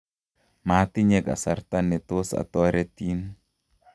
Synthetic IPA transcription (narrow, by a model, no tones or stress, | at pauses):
mat̪iɲɛka̰sart̪anɛt̪osa̰t̪ɔɾɛt̪in